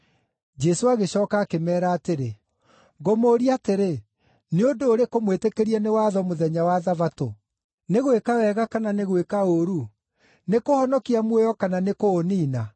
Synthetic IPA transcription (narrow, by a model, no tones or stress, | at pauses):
d͡ʒɛsoaɣeɕɔːkaːkemɛːɾaːteɾe | ŋɡomoːɾiateɾe | neondoːɾekomwetekeɾiɛnewaːðɔmoðɛɲawaðavato | neɣwekawɛɣakananeɣwekaoɾu | nekohɔnɔkiamwojɔkananekoːniːna